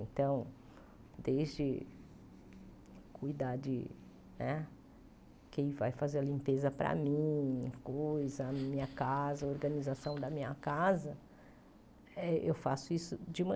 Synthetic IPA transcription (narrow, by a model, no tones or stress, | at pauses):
ẽnt̪ɐ̃w̃ | d̪ezd͡ʒɪ | kʰujd̪ad͡ʒɪ̰ | nɛ | kẽj̃vajfazeɾɐlĩmpezɐpɾɐ̰mĩkojzɐmĩɲɐkazɐoɾɡɐnizasɐ̃w̃d̪ɐmĩɲɐkazɐ | ɛʔewfasʊisʊd͡ʒɪumɐ̃